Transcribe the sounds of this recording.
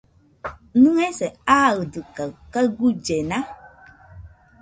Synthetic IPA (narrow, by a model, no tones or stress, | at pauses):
nũɛsɛaɣdɨkəkəɡud͡ʒɛnã